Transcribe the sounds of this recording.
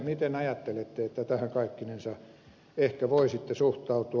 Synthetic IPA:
mit̪enɑjɑt̪ːelet̪ːeet̪ːæt̪æhæŋkɑikːinensɑ | ehkæʋoisit̪ːesuht̪ɑut̪u

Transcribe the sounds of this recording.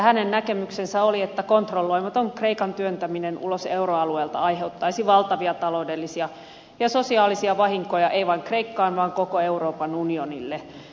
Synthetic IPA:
hænennækemyksensæoliet̪ːækont̪rolːoiʋɑt̪oŋkreikɑnt̪yønt̪æminenʔṵloseuroɑlueːlt̪ɑ̰ɑjɦeut̪ːɑisiʋɑlt̪ɑʋiɑt̪ɑloudelːisiɑ | jɑsosiɑːlisiɑʋɑhiŋkojɑʔeiʋɑiŋkreikːɑːnʋɑːŋkokoeuroːpɑnunionḭlːe

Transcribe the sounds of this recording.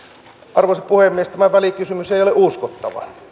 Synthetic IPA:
ɑrʋoˑseppuhemːiest̪æmæʋælikysymyseˑijoleʔuskot̪ːɑ̰ʋɑ̰

